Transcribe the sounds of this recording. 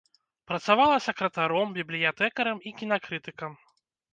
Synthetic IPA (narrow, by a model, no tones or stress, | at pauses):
pɾɐt̪savalˠɐsʲɐkɾɐt̪aɾɔmbʲiblʲijat̪ɛkɐɾɐmikʲinakɾɨt̪ɨkɐm